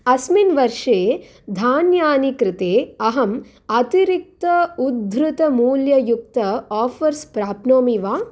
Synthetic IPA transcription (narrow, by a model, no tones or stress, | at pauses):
ɐsminʋɐɾʂeː | d̪ʱaːnjaːnikɾɪt̪eːɐɦɐm | ɐt̪iɾik̚t̪ɐud̪ʱɾut̪ɐmuːljɐjukt̪ɐaːfʰɐɾspɾaːpnoːmiʋaː